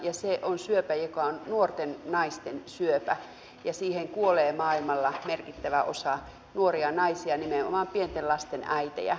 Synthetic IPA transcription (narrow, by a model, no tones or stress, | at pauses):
jɑseʔonsyøpæjokɑonnuort̪ennɑist̪ensyøpæ | jɑsiːheŋkuoleːmɑːilmɑlːɑmerkit̪ːæʋæʔosɑ | nuoriɑnɑisiɑnimeo̰mɑmpient̪ellɑst̪enæit̪ḛjæ̰